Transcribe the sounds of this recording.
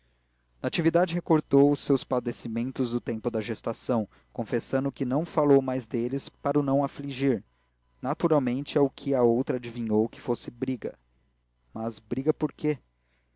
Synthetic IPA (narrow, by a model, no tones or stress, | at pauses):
nat͡ʃivid̪ad͡ʒɪɦekoɾt̪owʊsːewspad̪esimẽnt̪ʊzd̪ʊt̪ẽmpʊd̪ɐʒest̪asɐ̃w̃ | kõfesɐ̃nd̪ʊkɪnɐ̃w̃falowmajzd̪elɪspaɾʊnɐ̃w̃afliʒiɾ | nat̪uɾawmẽnt͡ʃɪaʊkʰɪɐowt̪ɾɐad͡ʒivĩɲowkɪ̥fosɪbɾiɡɐ̰ | mɐzbɾiɡɐpoɾkʰe